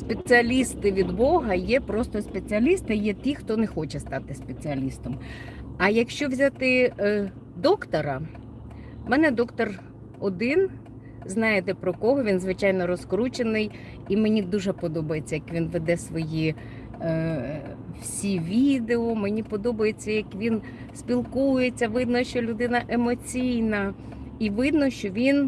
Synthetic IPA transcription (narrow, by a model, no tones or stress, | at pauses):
spet͡sʲɪɐlʲist̪ɪʋʲid̪bɔɦɐjɛpɾɔst̪ɔspet͡sʲɪɐlʲist̪ɪjɛt̪ʲixt̪ɔnexɔt͡ʃɛst̪ɑt̪ɪspe̞t͡sʲɪɐlʲist̪ɔmɐjɐkʃt͡ʃɔʋzʲat̪ɪ | d̪ɔkt̪ɔɾɐ | mɛnɛd̪ɔkt̪ɔr | ɔd̪ɪn | znɑjet̪ɛpɾɔkɔɦɔʋʲinzʋɪt͡ʃɑjnɔɾɔskɾut͡ʃenɪj | imenʲid̪uʒɛpɔd̪ɔbɐjet͡sʲːɐjɐkʋʲinʋed̪ɛsʋɔji | wsʲiʋʲid̪eɔmenʲipɔd̪ɔbɐjet͡sʲːɐjɐkʋʲin | spʲilˠkujet͡sʲːɐʋɪd̪nɔʃt͡ʃɔlʲʊd̪ɪnɐʔe̞mɔt͡sʲijnɐ | iʋɪd̪nɔʃt͡ʃɔʋʲin